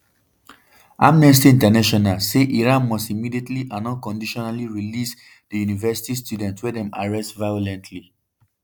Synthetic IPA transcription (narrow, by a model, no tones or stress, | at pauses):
amnɛs̬tiĩntanaʃɔnalseʔiɹãnmɔstimidietliʔãnɔ̃nkɔ̃ndiʃɔnaliɹilis | d̥əjunivɛsi̥tistʰjudɛ̃ntwɛdɛ̃ma̰ɹɛstvaɪɔlɛ̃ntʰli